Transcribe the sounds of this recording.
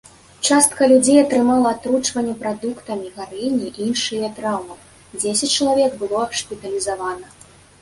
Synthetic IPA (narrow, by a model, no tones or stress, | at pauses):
t͡ʂast̪̚kɐlʲud͡zʲejɐt̪ɾɨmalˠɐːt̪ɾut͡ʂvɐnʲːɛpɾad̪ukt̪ɐmʲiɣaɾinʲiʔiinʂɨjɐt̪ɾawmɐw | d͡zʲesʲɐt͡sʲt͡ʂɐlˠavʲɛkbɨlˠɔʂpʲit̪ɐlʲizavanɐ